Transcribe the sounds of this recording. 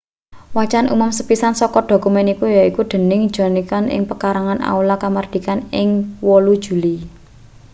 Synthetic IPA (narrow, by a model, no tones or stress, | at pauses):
wat͡ʃanʔṵmʊmsəpisansɔkɔɖ̥o̤kumɛnikujaikuɖ̪̥ə̤nɪŋd̥ʒ̥ɔ̤nikanʔɪ̰ŋpəkaɾaŋanʔa̰ulakamard̪̥ikanɪŋwɔlud̥ʒ̥ṳli